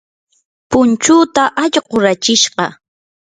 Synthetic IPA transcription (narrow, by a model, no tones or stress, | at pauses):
pʊnt͡ʃʊːt̪aʔaʎɢoɾat͡ʃɪʃɢɑ